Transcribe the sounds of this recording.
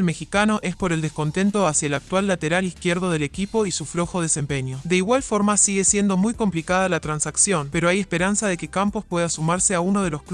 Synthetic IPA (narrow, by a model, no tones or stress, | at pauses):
lme̞xikano̞ʔe̞spo̞ɾe̞ld̪esko̞nt̪e̞nt̪o̞asjaelak̚t̪walːat̪e̞ɾalihkjeɾðo̞ð̞e̞le̞kipo̞isuflo̞xo̞ð̞e̞se̞mpe̞ɲjod̪e̞iɣwalfo̞ɾmasiɣe̞sje̞nd̪o̞mujko̞mplikað̞alat̪ɾansaksjo̞npe̞ɾoajespe̞ɾansað̞e̞ke̞kampo̞spwe̞ð̞asumaɾse̞aunoð̞elo̞sk